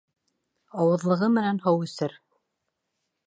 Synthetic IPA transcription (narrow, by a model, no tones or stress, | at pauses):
ɑwɤ̆ðlˠɤ̆ʁɤmɘ̆nænhɤwɵ̆sɘɾ